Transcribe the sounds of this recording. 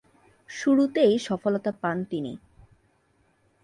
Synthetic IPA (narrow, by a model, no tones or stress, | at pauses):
ʃuɾut̪ejʃɔfolot̪apant̪inḭ